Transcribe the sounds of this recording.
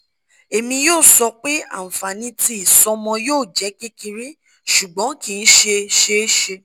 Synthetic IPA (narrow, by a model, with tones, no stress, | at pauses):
e˨mĩ˧joː˦˨sɔ˧k͡pe˦ã̰˦˨fa˨nĩ˧˦ti˧˦i˨sɔ˧mɔ̃˧joː˦˨d͡ʒɛ˨˦ki˦ki˧ɾĩ˦ | ʃu˨ɡ͡bɔ̃˨˦kĩ˧n̩˦ʃe˧ʃe˦ʃe˧